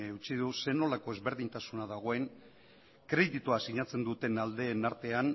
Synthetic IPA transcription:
ut͡siðuse̞no̞lako̞e̞zβe̞ɾðiɲt̪asunaðaɣ̞o̞e̞ŋ | kɾet̪it̪oasiɲat͡se̞nd̪ut̪e̞nald̪e̞ːnaɾt̪e̞an

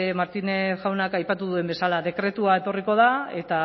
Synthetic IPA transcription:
maɾt̪ineʝawnakajpat̪uðuembe̞salaðe̞kɾe̞t̪uae̞t̪o̞riko̞ð̞ae̞t̪a

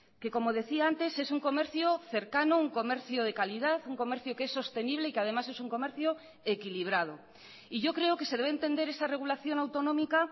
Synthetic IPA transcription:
ke̞komoð̞e̞θiaant̪e̞se̞suŋko̞me̞ɾθjoθe̞ɾkanouŋko̞meɾθjoð̞e̞kaliðaθuŋko̞meɾθjokeesːo̞st̪e̞niβ̞leikeað̞e̞mase̞suŋko̞meɾθjo | ekiliβ̞ɾað̞o | iʝo̞kɾe̞oke̞seðe̞β̞eːnt̪e̞nd̪e̞ɾesare̞ɣ̞ulaθjo̞nawt̪onõmika

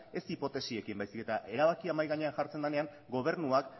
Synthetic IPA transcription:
e̞sipo̞t̪e̞sie̞kimbajsike̞t̪aʔe̞ɾaβ̞akiamajɣaɲe̞anʝaɾt͡se̞nd̪ane̞aŋ | ɡo̞β̞e̞ɾrnuak

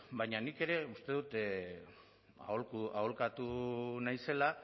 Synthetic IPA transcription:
bajɲanike̞ɾe̞ust̪e̞ðut̪ | a̰olkuaolkat̪unajse̞la

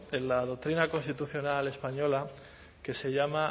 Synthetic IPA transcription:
enlaðok̚t̪ɾinako̞nst̪it̪uθjonale̞spaɲo̞la | ke̞se̞ʝama

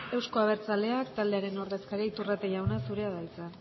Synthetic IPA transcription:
e̞wskoaβ̞e̞ɾt͡sale̞akt̪ald̪e̞aɾe̞no̞ɾðe̞skaɾieit̪urat̪eʝawnasuɾe̞aðalt͡san

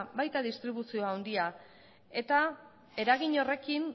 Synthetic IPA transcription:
bajt̪aðist̪ɾiβ̞usio̞awnd̪ia | e̞t̪a | e̞ɾaɣiɲo̞re̞kin

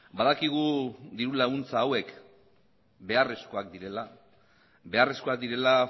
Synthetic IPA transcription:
baðakiɣ̞ud̪iɾulaɣunt͡saːwe̞k | be̞are̞sko̞akd̪iɾe̞la | be̞are̞sko̞ak̚d̪iɾe̞la

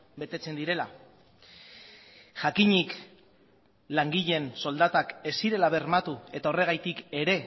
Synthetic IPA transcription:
be̞t̪e̞t͡se̞nd̪iɾe̞la | ʝakiɲik | laŋɡiʎe̞nso̞ld̪at̪ake̞siɾe̞laβe̞rmat̪ue̞t̪aore̞ɣ̞ajt̪ike̞ɾe̞

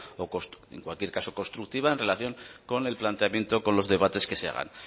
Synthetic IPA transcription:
okoste̞̰ŋkwalkje̞ɾkaso̞ko̞nst̪ɾuk̚t̪iβaenre̞laθjo̞ŋko̞ne̞lplant̪eamjent̪o̞ko̞nlo̞zðe̞β̞at̪e̞ske̞se̞a̰ɣ̞a̰n

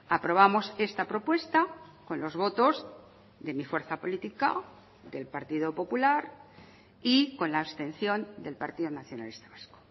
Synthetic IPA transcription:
apɾo̞β̞amo̞se̞st̪apɾo̞pwe̞st̪ako̞nlo̞zβo̞t̪o̞z | d̪e̞mifwe̞ɾθapo̞lit̪ika̰ | d̪e̞lpaɾt̪iðo̞po̞pulaɾ | iko̞nlaːst̪ẽ̞nθjo̞nd̪e̞lpaɾt̪iðonaθjo̞na̰lest̪aβasko̥

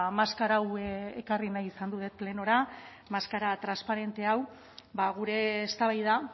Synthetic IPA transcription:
maskaɾawekarinajisand̪uðe̞t̪̚ple̞no̞ɾa | maskaɾat̪ɾanspaɾe̞nt̪e̞aw | baɣuɾe̞ːst̪aβajða

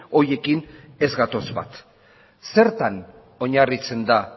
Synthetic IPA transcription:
o̞ɾje̞kine̞zɣat̪o̞zβa̰t̪ | se̞ɾt̪an | o̞ɲarit͡se̞nd̪a

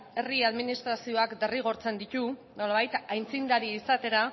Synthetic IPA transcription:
e̞riaðminist̪ɾasio̞akd̪e̞riɣ̞o̞ɾt͡se̞nd̪it̪u | no̞laβ̞ajt̪ajnt͡sind̪aɾiːsat̪e̞ɾa

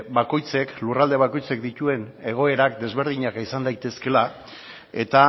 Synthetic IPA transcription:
bako̞jt͡se̞klurald̪e̞β̞ako̞jt͡se̞kd̪it̪ue̞ne̞ɣ̞o̞e̞ɾakd̪e̞zβ̞e̞ɾð̞iɲakisand̪ajt̪e̞ske̞la | e̞̰t̪a

